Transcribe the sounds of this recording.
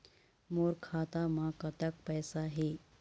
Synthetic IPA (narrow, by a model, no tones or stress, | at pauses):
moːɾkʰaːt̪amãkɐt̪ək̚pɛːsaɦeː